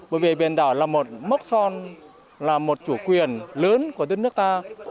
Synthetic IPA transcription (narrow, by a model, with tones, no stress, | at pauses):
ɓəː˧˩jvi˨˩ɓɛ˨˩nɗ̪aː˧˩wlaː˨˩mo˨˩t̚mə˦˥wk͡p̚sɔ˧n | laː˨˩mo˨˩t̚t͡ɕu˧˩kwi˨˩ənləː˨˦nku˧˩əɗəː˧˥nɨ˦˥k̚t̪aː˧